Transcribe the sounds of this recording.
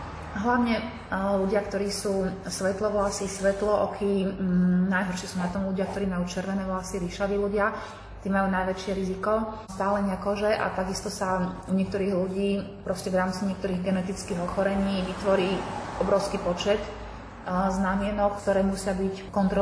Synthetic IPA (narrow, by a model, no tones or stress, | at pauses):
ɦlaʊɲɛ | luɟɪakt̪ɔɾiːsuːsʋɛt̪lɔʋlasisʋɛt̪lɔʔɔkʰi | najɦɔɾʃɪɛsuːnat̪ɔmluɟɪak̚t̪ɔɾiːmajuːt͡ʃɛɾʋɛnɛːʋasiɾiʃaʋiːluɟɪa | t̪iːmajuːnajʋɛt͡ʃɪɛɾizikɔ | st̪aːlɛɲɪakɔʒɛʔa̰t̪aɡist̪ɔsauɲɪɛk̚t̪ɔɾiːɣluɟiːpɾɔscɛʋɾaːmt͡siɲɪɛkt̪ɔɾiːɣɡɛnɛt̪it͡skiːɣɔxɔɾɛɲiːʋit̪ʋɔɾiːɔbɾɔʊskipɔt͡ʃɛt̪ | znamɪɛnɔkkt̪ɔɾɛːmusɪabickɔnt̪ɾɔ